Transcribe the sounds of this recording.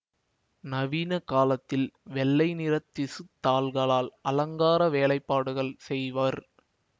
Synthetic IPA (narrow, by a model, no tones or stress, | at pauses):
nɐʋiːnɐkaːlɐt̪ːɪlʋɛlːɐɪnɪɾɐt̪ːɪsɯt̪ːaːlɣɐɭaːlɐlɐŋɡaːɾɐʋeːlɐɪpːaːɽɯɣɐɭsɛjʋaɾ